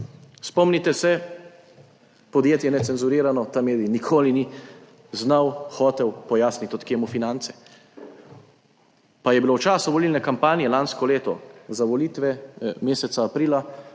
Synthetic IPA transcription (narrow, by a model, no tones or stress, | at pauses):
spɔmnit̪ɛsɛ | pɔd̪jeːt̪jɛnɛt̪sɛnzuɾiːɾanɔt̪ameːd̪inikʰoːlini | znawxɔːt̪ɛwpɔjaːsnit̪ɔt̪keːmufinant̪sɛ̥ | pajɛbilowt͡ʃaːsuʋɔliːlnɛkampaːnjɛlanskɔleːt̪ɔ̰zaʋɔliːt̪ʋɛmeːsɛt̪saːpɾiːla